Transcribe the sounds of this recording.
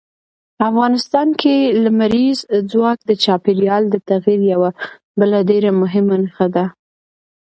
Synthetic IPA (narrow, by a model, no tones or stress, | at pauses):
afɣɑnɪst̪ɑnkʰelamaɾizd͡zwɑk̚d̪ət͡ʃɑpeɾjɑld̪ət̪aɣiɾjawa | bəlaɖeɾamʊɦɪmanaxad̪a